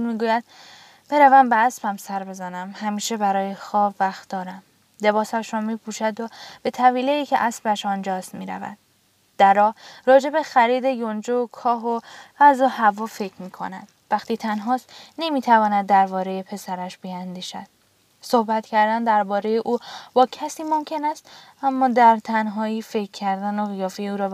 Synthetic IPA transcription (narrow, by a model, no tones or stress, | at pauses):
unmiːɡuːjæd̪̚ | b̥eɾævæmbeæsbæmsæɾbe̞zænæmhæmiːʃe̞bæɾɒːjexɒːbvæxt̪̚d̪ɒːɾæm | le̞βɒːsæʃɾɒmiːpʰuːʃæd̪ob̥e̞t̪ʰæviːleiːcʰeʔæsbæʃɒnd͡ʒɒːst̪miːɾæ̰væ̰d̪̥ | d̪̥æɾɒːɾɒːd͡ʒe̞be̞xæɾiːd̪ejond͡ʒokʰɒːɦoæzohævɒːfe̞cʰmiːkʰo̞̰næ̰d̪̥væxt̪iːt̪ʰænɦɒːst̪ne̞miːt̪ʰævɒːnæd̪̚ːæɾbɒːɾe̞jepʰe̞sæɾæʃbiænd̪iːʃæ̰d̪̥̚ | sohbæt̪cʰæɾd̪ænd̪æɾbɒːɾejeʔuːbɒːcʰæsiːmomcʰe̞næst̪æmːɒːd̪æɾt̪ʰænɦɒːjifecʰːæɾd̪ænoɣijɒːfejeuːɾɒː